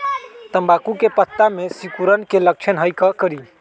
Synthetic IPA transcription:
t̪əmbakukepət̪ːamesikuɾənkelək̚t͡ʃʰənɦəjkəkəɾi

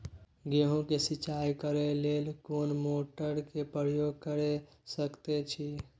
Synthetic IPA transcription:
ɡeɦõkesit͡ʃajkəɾelelkonmoʈəɾkepɾəjoɡkəɾe | səkt̪et͡ʃʰi

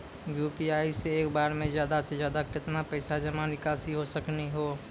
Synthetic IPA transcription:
juːpiaːiseeːkbaːɾmẽzjaːd̪asezjaːd̪akɪt̪napɛːsad͡ʒɐmanɪkaːsiɦosɐkniɦoː

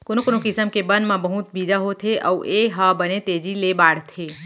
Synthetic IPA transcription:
konõkonõkɪsəmkebənmãbəɦut̪̚bid͡ʒ̪aɦot̪ʰeʔə̰wʔeɦabənet̪ed͡ʒilebaɽt̪ʰe

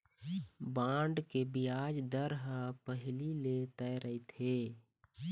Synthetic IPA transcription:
bãːɳɖkebiaːd͡ʒd̪əɾɦəpəɦɪlilet̪əɾəɦit̪ʰeː

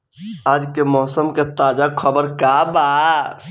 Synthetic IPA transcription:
ad͡ʒkemɔɦsəmket̪ad͡ʒakʰəbəɾkaba

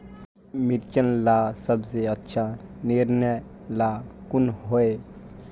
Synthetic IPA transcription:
miɾt͡ʃənlaːsəbseətːʃʰaniɾnjə | laːkʊnɦoe

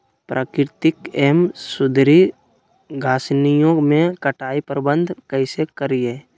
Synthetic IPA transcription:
pɾʔaːkɪɾt̪ɪkeːmsʊd̪ʱɾi | ɡʱaːsnijõmẽkəʈʰaːipəɾbə̃nd̪ʱkəɪsekəɾieː

